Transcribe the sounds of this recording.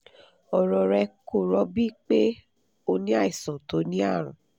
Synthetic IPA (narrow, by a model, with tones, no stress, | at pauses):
ɔ˨ɾɔ˨ɾɛ˧ko˨ɾɔ˨˧˦bi˦k͡pe˦ | o˧nĩ˦a˦˨i˨sɔ̃˨to˨˦nĩ˦a˦˨ɾ̃ũ˨˦